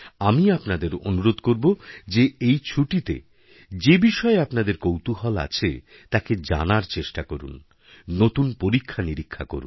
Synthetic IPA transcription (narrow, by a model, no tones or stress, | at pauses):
amiapnad̪eɾo̰nuɾod̪koɾbod͡ʑeejt͡ɕʰuʈit̪ḛ | d͡ʑebiʃɔeapnad̪eɾkowt̪uɦɔla̰t͡ɕʰḛ | t̪aked͡ʑa̰naɾt͡ɕeʃʈakoɾṵnː | ot̪unpoɾikʰːaniɾikʰːa̰ko̰ɾṵ